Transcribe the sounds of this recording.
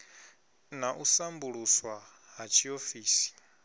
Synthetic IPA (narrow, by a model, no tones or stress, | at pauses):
naʔusambuɺuswa | ɦat͡ʃʰiofiːsi̥